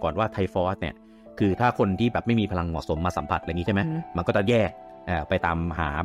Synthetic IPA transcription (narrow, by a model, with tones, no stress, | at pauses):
kɔː˨˩nwaː˥˩t̪ʰa˧jfɔː˦˥st̪̚nḭ˦˥˩ɐ | kʰɯː˧t̪ʰaː˥˩kʰo˧nt̪ʰiː˥˩bɛː˨˩p̚ma˥˩jmiː˧pʰa˧la˧ŋmɔː˨˩k̚so˩˦mːaː˧sa˩˦mpʰa̰˨˩ʔa˧˨ŋːi˦t͡ɕʰa˥˩ma˦˥ma˧nkɔː˥˩t͡ɕa˨˩jɛː˥˩k̚ | ʔaː˨˩pa˧jt̪aː˧mha̰ː˩˦